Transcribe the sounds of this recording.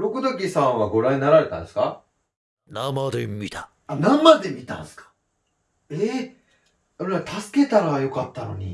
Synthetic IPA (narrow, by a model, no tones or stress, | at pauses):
ɾo̞kɯ̟d̪ok̬ʲisãɰ̃βaɡo̞ɾãɲ̟inaɾaɾe̞t̪ã̰nd̪esɨ̥ka | namad̪emʲit̪ḁ | anãmːad̪emʲit̪ã̰nsɨ̥kḁ | e | oɾat̪ʰasɨ̥ke̞t̪aɾajo̞kat̪ːano̞̰ɲ̟ḭ